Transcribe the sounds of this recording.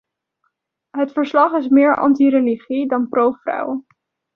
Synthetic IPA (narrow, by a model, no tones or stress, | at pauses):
ɦətfəɹslɑχɪs̬mɪːɹʔɑ̰ntiɾeliχidɑnprowfrʌ̰w